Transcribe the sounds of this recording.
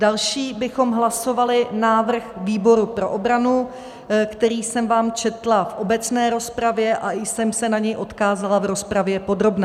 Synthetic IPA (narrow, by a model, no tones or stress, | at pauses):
dalʃiːbɪxo̞mɦlaso̞valɪnaːvr̩xviːbo̞ɾupɾo̞̰ʔobɾanu | kt̪ɛɾiːsɛmvaːmt͡ʃɛt̪lafʔo̞bɛt͡snɛːɾo̞spɾavjɛʔaɪsɛmsɛnaɲɛjʔo̞t̪kaːzalavɾo̞spɾavjɛpo̞d̪ɾo̞bnɛ